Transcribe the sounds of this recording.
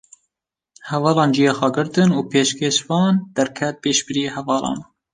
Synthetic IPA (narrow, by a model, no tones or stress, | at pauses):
hɛvɑːlɑːnd͡ʒijeːxʷɛɡɨɾt̪ɨnuːpʰeːʃkʰeʃvɑːnd̪̥ɛɾkʰɛt̪̚peːʃbɨɾiehɛvɑːlʔɑ̰ːn